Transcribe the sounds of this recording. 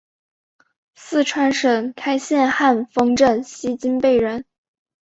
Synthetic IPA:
sɹ̩˥˩ʈ͡ʂʰwa˥nʂə˨˩nkʰa˥ɪɕjɛ˥˧nxa˥˩nfɤ˥ŋʈ͡ʂə˥˩nɕi˥t͡ɕi˥npe˥˩ɪɻə˧˥n

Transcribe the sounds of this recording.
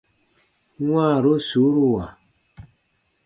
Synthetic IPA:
wa˦˨ɾo˦su˨˦ɾu˦˨wa˨

